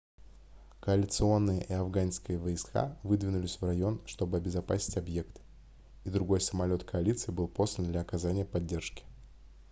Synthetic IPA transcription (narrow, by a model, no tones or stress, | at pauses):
kəɐlʲɪt̪sɨo̞nːɨjə̰ʔɪɐvɡanskəjəvəɪska̰vɨd̪vʲɪnʊlʲɪsʲvrɐjo̞nʂt̪o̞bɨɐbʲɪzɐpasʲɪ̥tʲɐbje̞kt̪ | id̪ɾʊɡo̞jsəmɐlʲo̞t̪kʰəɐlʲit̪sɨɪbɨlˠpo̞slʲənd̪lʲɐɐkɐzanʲɪjəpɐdʲːe̞rʂkʲɪ̥